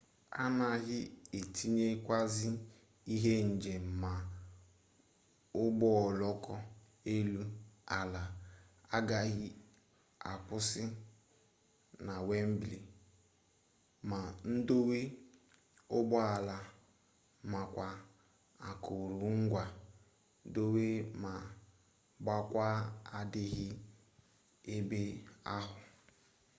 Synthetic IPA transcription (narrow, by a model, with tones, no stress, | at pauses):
a̰˦na˨ɣɪ˦e˨tʰi˦ɲe˦kʷa˦zɪ˦ | i˦ɦe˦n̩˨d͡ʒe˨m̩˨ma˨ | ʊ˦bɔ˦ɔ˨lɔ˦kɔ˦ | e˦lu˦a˨la˨a˦ɡa˦ɣɪ˦ | a˨kʊ˦sɪ˦ | na˨we˦m̩˦bli˨ | ma˨n̩˦do˦we˦ | ʊ˦bɔ˦a˨la˨ | ma˨kʷa˨ | a˨kʊ˨ɾu˨ŋ̩˦ɡʷa˨˦ | do˦we˦ma˨ | ba˦kʷa˦a˨dɪ˦ɣɪ˦ | e˦be˦a˦ɦʊ˨